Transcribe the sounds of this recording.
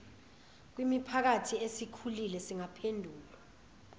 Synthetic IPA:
k̬wimipʰak̬atʰiesikʰulilɛsiŋapʰendʱuːla

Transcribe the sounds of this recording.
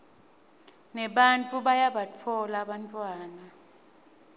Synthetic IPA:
nɛɓant͡fʰʼuɓajaɓat͡fʰɔlaɓantʼwaːna

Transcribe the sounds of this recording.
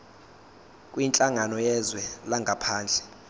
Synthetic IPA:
kʼwint͡ɬʼaŋanɔjɛzwɛlaŋɡʱapʰaːnd͡ɮʱɛ

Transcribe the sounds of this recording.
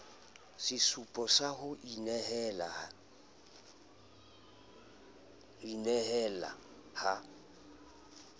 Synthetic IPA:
sɪsupʼɔsahʊʔinɛhɛlaa | inɛhɛla̰ | ha

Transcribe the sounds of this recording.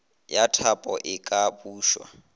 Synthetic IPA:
jatʰapʼɔʔɪkʼabuːʃwa̰

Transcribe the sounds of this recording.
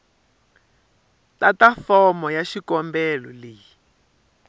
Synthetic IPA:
tatafɔmɔjaʃikɔmbɛlɔliji

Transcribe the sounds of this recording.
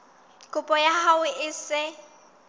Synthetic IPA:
kʼʊpʼɔjahawɪʔɪsɪ

